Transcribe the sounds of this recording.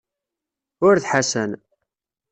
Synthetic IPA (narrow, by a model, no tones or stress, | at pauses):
ʊɾθħasən